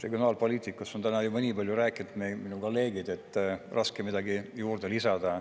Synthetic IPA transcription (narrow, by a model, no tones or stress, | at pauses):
re̞ɡjonɑːlpoliːt̪ˑikːˑusont̪ænɑjubɑnʲiːbɑlʲjuɾæːkːˑinut̪meminuko̞lːe̞ːɡid̪̥e̞t̪ːˑrʔɑskemid̪ɑɡijuːrd̪̥e̞lisɑd̪̥ɑ